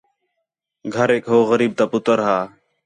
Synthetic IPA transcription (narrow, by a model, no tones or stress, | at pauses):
ɡʱəɾeːkɦoːɣəɾiːb̚t̪aːpʊt̪əɾɦaː